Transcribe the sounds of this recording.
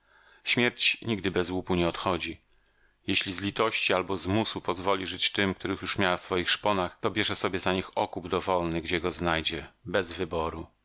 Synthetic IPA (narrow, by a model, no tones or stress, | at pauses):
ɕmʲjɛɾt͡ɕɲiɡd̪ɘbɛzwupuɲɛɔt̪xɔd͡ʑi | jeɕlʲizlʲit̪ɔɕt͡ɕialbɔzmusupɔzvɔlʲiʐɘt͡ɕt̪ɘmkt̪uɾɘxjuʂmʲjawafsfɔjixʂpɔnaxt̪ɔbʲjɛʐɛsɔbʲjɛzaɲixɔkubd̪ɔvɔlnɘɡd͡ʑɛɡɔznajd͡ʑɛbɛzvɘbɔɾu